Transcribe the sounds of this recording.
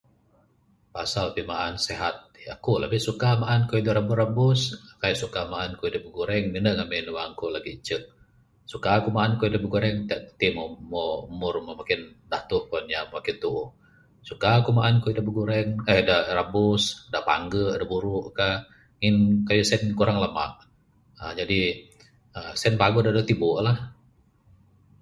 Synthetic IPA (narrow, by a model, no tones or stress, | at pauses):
pasalpimaʔanseɦat̪̚a̰kula̰bisukamaʔankuidəɾabʊrabʊskajuʔsukamaʔankuidəʔbəɡuɾɛŋninəŋaminəwaŋkulaɡit͡ʃəʔ̚ | sukakumaʔankuidəbəɡuɾɛŋt̪əʔt̪imomoumʊrmomakɪn | daht̪ʊhkonjamamakɪnt̪uʔ | sukakumaʔankuidaʔbəɡuɾɛŋədahrabʊsdapa̰ŋɡədabuɾʊʔka | ŋinkajusɛnkuɾaŋlama̰ʔ | əd͡ʒadi | əsɛnpaɡudadot̪ibʊʔlah